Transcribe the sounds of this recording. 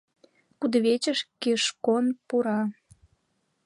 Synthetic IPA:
kud̪əβet͡ɕəʃkeʃkonpuɾɑ

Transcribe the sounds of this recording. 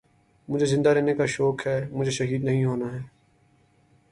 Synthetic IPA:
mʊd͡ʒʱezɪ̃nd̪aːɾeːnekaʃoːkɦɛːmʊd͡ʒʱeːʃəɦiːd̪nəɦĩɦoːnaɦɛː

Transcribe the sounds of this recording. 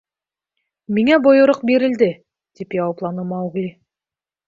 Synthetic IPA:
miŋæbŏjɤ̆ɾɤq̚beɾɪ̆ld̪ɘ | d̪̥ipjɑwɑplˠɑnɤmɑwɡlʲi

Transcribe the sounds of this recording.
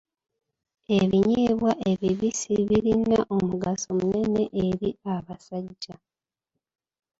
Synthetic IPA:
e̞βiɲiːβwaʔe̞βiβisiβiɾinːaʔo̞muɡaso̞mune̞ne̞ʔeɾiaβasaɟːa

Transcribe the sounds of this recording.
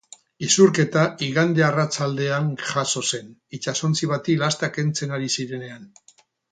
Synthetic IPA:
isuɾke̞t̪aiɣand̪earat͡sald̪e̞aŋʝaso̞se̞nit͡ʃasont͡siβ̞at̪ilast̪ake̞nt͡se̞naɾisiɾe̞ne̞an

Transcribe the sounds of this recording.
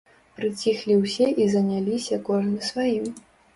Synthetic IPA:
pɾɨt͡sʲixlʲiwsʲɛʔizɐnʲalʲisʲɐkɔʐnɨsvajim

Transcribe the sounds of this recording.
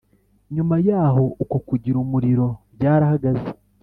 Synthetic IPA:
ɲumajaːɦo̞ukokuɟiɾumuɾiɾo̞ | ɟaːɾahaɡaze

